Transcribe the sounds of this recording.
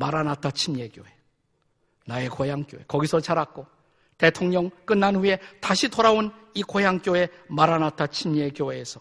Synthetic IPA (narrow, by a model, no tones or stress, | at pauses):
maɾanat͈ʰat͡ɕʰimjeɡjoe̞ | nae̞kojaŋk͈jo̰ekʌɡisʰʌt͡ɕaɾak̚k͈o | te̞tʰoŋɲʌŋk͈ɯnːanɸue̞taɕʰitoɾaonikojaŋk͈joe̞maɾanatʰat͡ɕʰimje̞ɡjoɦeːsʰʌ